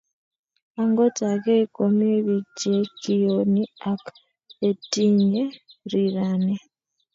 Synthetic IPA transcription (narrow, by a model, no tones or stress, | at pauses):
aŋɡotakeikomeβid͡ʒekijoniak | etiɲeɾiɾane